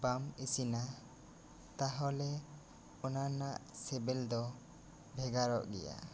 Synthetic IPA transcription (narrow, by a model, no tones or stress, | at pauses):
bamisina | t̪aɦɔlɛ | ɔnanaʔsɛbɛld̪ɔ | bʱɛɡaɾɔ̰ʔɡɛ̰ja̰